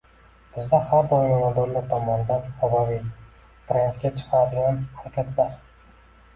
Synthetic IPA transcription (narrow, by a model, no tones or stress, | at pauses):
b̥ɪzd̪ahaɾd̪ɒjɒnad̪ʊɾlaɾt̪ʰɒmɒnɪd̪anhabavij | t̪ɾent̪ɡʲat͡ʃʰɨ̥qʰaɾd̪ɪɡʲanhaɾakʲʰat̪ʰlaɾ